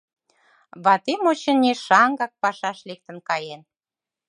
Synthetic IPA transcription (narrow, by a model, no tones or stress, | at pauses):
βɑt̪emot͡ɕənːeʃɑŋɡɑk̚pɑʃɑʃlek̚t̪ə̆nkɑjen